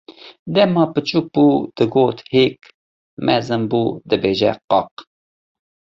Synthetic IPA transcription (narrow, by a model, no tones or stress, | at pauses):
d̪ɛmɑːpɨt͡ʃʰuːk̚buːd̪̥ɨɡoːt̪heːk | mɛzɨmbuːd̪ɨbeːʒɛ̰qɑq̚